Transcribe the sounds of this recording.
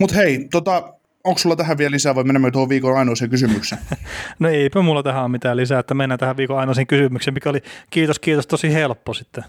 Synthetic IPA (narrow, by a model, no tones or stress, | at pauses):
mut̪heit̪ot̪ɑ | õŋksulːɑt̪æhæʋiælisæːʋɑimenemːæt̪ohoʋʋiːkonɑinoˑiseŋkysymyksenoeˑipømulːɑt̪æhæommit̪æːllisæːet̪ːæmenːæt̪æhæʋʋiːkoɑinoˑseŋkysymyksemmikæolikiːt̪oskiːt̪ost̪osihelpːosit̪ːe